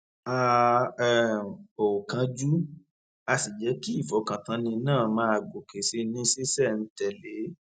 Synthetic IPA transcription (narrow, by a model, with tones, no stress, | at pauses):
a˧˨ | o˨kã˨˧d͡ʒu˦ | a˧si˨d͡ʒɛ˨˦ki˦i˦˨fɔ˨kã˨tã˧nĩ˧nãː˦˨mãː˦a˧˨ɡo˨ke˨se˧˦nĩ˦se˦sɛ˦˨n̩˦tɛ˨le˨˦